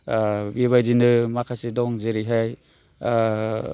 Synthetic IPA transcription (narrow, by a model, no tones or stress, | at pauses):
biβajzinɯmakʰasidɔŋzeɾiɦaj